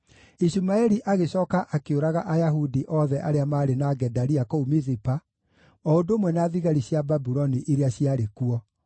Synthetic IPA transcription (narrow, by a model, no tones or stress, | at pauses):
isumaɛɾiʔaɣeɕɔːkaʔakeoɾaɣaʔajaɦudiʔɔðɛʔaɾeamaːɾenaɡɛdaɾiakɔumiðipa | ɔodoːmwɛnaːðiɣaɾiɕjababuɾɔniʔeɾeaɕiaɾekuɔ